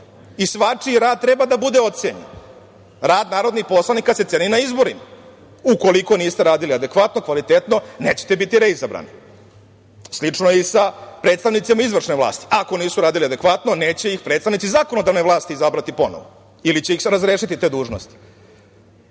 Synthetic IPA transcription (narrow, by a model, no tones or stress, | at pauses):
isʋat͡ʂiɾaːd̪̚t̪ɾe̞bad̪abud̪eo̞t̪seɲḛn | ɾaːd̪naːɾo̞d̪nixposlˠanikaseeːninaizbo̞ɾima | uko̞liko̞niːst̪e̞ɾaːd̪iliad̪e̞kʋat̪nokʋalit̪et̪no̞neːt͡ɕe̥t̪ebit̪iɾeizabɾa̰ːni | slit͡ʂnojeisapɾe̞ːt̪st̪aʋnit̪simaizʋr̩ʂneʋla̰ːst̪i̥ako̞niːsuɾaːd̪iliad̪e̞kʋat̪no̞ne̞ːt͡ɕe̞ixpɾe̞ːt̪st̪aʋnit̪izaːkono̞d̪aʋne̞ʋlˠaːst̪iːzabɾat̪ipo̞no̰ʋo | ilit͡ɕeixɾazɾeːʃit̪it̪e̞ːd̪uːʐno̰st̪i̥